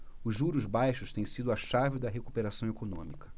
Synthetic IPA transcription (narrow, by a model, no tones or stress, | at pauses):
ʊzʒuɾʊzbajʃʊʃt̪ẽj̃sid̪ʊɐʃavɪd̪ɐɦekupeɾasɐ̃w̃ekonõ̰mikɐ̥